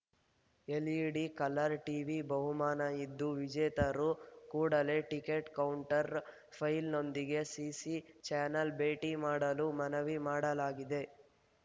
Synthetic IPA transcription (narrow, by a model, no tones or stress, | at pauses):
eliɽikɐlɐɾʈiːʋibɐɦumaːnɐid̪ːuʋid͡ʒɛːt̪ɐɾukuːɽɐle̞ʈike̞ʈkɐwuɳʈɐɾ | pʰɐjlno̞nd̪iɡe̞sisit͡ʃaːnɐlbeːʈimaːɽɐlumɐnɐʋimaːɽɐlaːɡid̪e̞